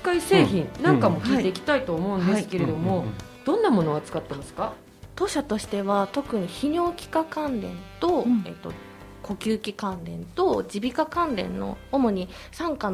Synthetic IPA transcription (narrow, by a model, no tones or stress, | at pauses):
kːaiseːçĩnnãŋŋkamo̞kʲiːt̪e̞ikʲi̥t̪ait̪oːmo̞ɯ̃nd̪esɨ̥ke̞ɾe̞d̪o̞mo̞d̪̥õ̞nːamo̞no̞at͡sɨ̥kat̪ːe̞masɨ̥ka | t̪o̞ːɕat̪o̞ɕi̥t̪e̞βat̪o̞kɯ̟ɲ̟içiɲo̞ːkʲi̥kakãnɾẽ̞̰nt̪o̞ḛt̪ːo̞̰ | kʰo̞kʲɨːkʲikãnɾẽ̞nt̪o̞d͡ʑibʲikakãnɾẽ̞̰nːo̞̰ːmo̞ɲ̟i | sãŋka